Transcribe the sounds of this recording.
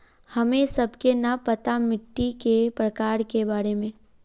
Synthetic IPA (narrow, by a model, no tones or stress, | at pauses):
hɐmẽsɐbkenɐpət̪amɪʈːikepɾəkaːɾkebaːɾemẽː